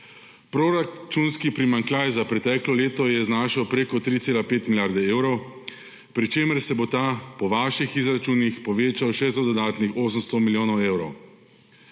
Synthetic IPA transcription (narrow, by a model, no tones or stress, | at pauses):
pɾoɾat͡ʃunskipɾimaŋklʲajzapɾɛt̪ɛːklɔleːt̪ɔjɛznaːʃawpɾeːkɔt̪ɾit̪seːlapeːt̪miljaɾd̪ɛeːwɾɔw | pɾit͡ʃeːməɾsɛbot̪aːpɔʋaːʃixizɾat͡ʃuːnixpɔʋeːt͡ʃawʃɛst̪ɔd̪ɔd̪aːt̪nixoːs̬əmst̪ɔmiljoːnɔwewɾɔw